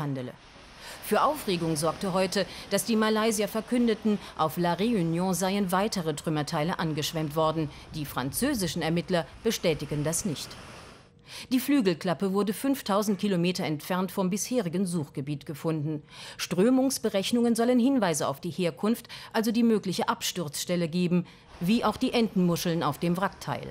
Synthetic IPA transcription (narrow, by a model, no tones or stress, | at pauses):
andələ̰ | fyːɐʔaʊfʁ̥eːɡʊŋzɔɐktəɦɔʏtəd̥asd̥iːmalaɪziɐfɛɐkʰʏndətn̩ʔaʊflaʁeynjɔ̃ːzaɪənvaɪtəʁətʁ̥ʏmɐtʰaɪləʔanɡəʃv̥ɛmtv̥ɔɐdn̩ | d̥iːfʁ̥a̰nt͡søːzɪʃn̩ɛɐmɪtlɐb̥əʃtɛːtɪkn̩dasnɪçt | d̥iːflyːɡl̩kl̥apəvʊɐdəfʏnftʰːaʊzn̩tkʰilomeːtɐɛntfɛɐntfɔmbɪsheːʁɪɡən̩zuːχɡ̥əbiːtɡ̥əfʊndn̩ʃtʁ̥øːmʊŋsb̥əʁɛçnʊŋənzɔlənhɪnvaɪzəa̰ʊfd̥iːheːɐkʰʊnftʔalzodiːmøːklɪçəʔapʃtʊɐt͡sʃtɛləɡeːbm̩ | viːʔaʊxd̥iːʔɛndn̩mʊʃl̩naʊfd̥eːmvʁak̚tʰa̰ɪl